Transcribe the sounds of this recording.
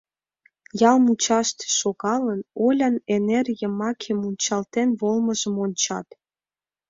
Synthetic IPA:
jɑlmut͡ɕɑʃt̪ʃoɣɑlənolʲɑnenerjəmɑkʰemunʲt͡ɕɑlt̪enβolməʒəmonʲt͡ɕɑ̰t̪

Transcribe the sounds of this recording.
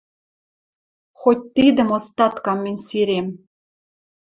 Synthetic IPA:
xot̚ʲt̪id̪ə̆most̪ɑt̪kɑmːenʲsiɾem

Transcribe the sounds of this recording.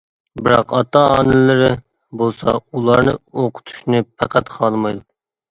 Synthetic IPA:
bɪɾɑqɑt̪ɑɑːnɨlɪɾɪ | bolˠsɑ̰ulˠɑɾnɨ̰oqʰʊ̥t̪ʰu̥ʃnɨpʰæqʰæt̪qʰɑlˠmɑjd̪u

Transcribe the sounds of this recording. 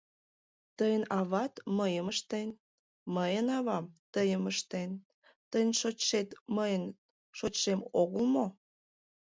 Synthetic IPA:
t̪əjənɑβɑt̪məjəməʃt̪en | məjənɑβɑmt̪əjəməʃt̪en | t̪əjnʲʃot͡ɕʃet̪məjən | ʃot͡ɕʃemoɣəlmo

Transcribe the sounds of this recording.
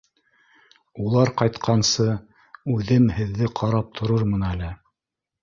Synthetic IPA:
ulˠɑɾqɑjt̪qʰɑnsɤ | ʉðɘmhɘ̆ðːɘqʰɑɾɑp̚t̪ʰŏɾɤɾmɤnælɘ

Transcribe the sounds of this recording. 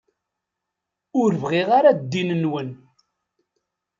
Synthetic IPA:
ʊɾvʁiʁaɾad̪ːinənwən

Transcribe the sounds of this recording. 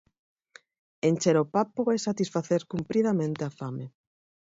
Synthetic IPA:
ent͡ʃeɾopapoesat̪isfaθeɾkumpɾiðamẽnt̪eafame

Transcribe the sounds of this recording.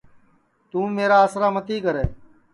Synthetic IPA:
t̪ũːmeːɾaːəsɾaːmət̪iːkəɾeː

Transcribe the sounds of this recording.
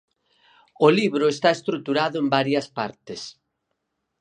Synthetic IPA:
ʊliβɾʊest̪aest̪ɾut̪uɾaðʊembaɾjɐspaɾt̪ɪs

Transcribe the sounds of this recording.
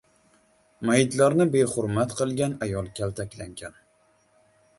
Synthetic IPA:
majɪt̪laɾnɪbe̞χʊɾmat̪qʰɨlˠɡʲanajɒlˠkʲʰalt̪ʰakʲlaŋɡʲan

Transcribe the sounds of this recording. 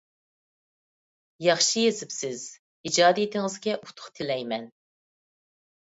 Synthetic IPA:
jɑχʃijezɪpsɪz̥ | id͡ʒɑːd̪ijit̪ʰɪŋɨzɡʲɛʔut̪ʰʊ̥χt̪ʰɪlɛjmɛn

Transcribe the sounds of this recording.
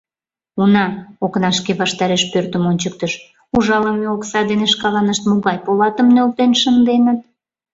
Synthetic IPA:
unɑoknɑʃkeβɑʃt̪ɑɾeʃpørt̪əmonʲt͡ɕək̚t̪əʃ | uʒɑləmeoksɑd̪eneʃkɑlɑnəʃt̪moɣɑjpolɑt̪əmnølt̪enʃənd̪enət̪̚

